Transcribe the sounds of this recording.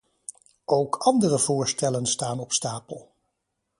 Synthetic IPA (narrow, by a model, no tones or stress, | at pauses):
ʔowkʰɑndərəvʊːɹstɛlənstaːnɔpstaːpəlˠ